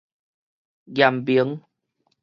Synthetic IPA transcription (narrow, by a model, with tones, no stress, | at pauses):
ɣja˨˩mbi˨˦ŋ